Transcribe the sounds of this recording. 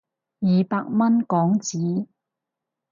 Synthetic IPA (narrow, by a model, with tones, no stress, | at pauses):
jiː˨paː˧k̚mɐ˥nkɔː˨˥ŋt͡siː˨˥